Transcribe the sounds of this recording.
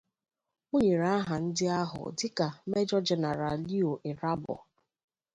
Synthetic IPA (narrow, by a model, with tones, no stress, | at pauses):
o˦ɲe˨ɾa˦ɦa˨n̩˦dɪ˦a˦ɦʊ̰˨dɪ˦ka˨me˦d͡ʒɔ˦d͡ʒe˨na˨ɾa˨li˦o˨ʔe˨ɾa˦bɔ̰˨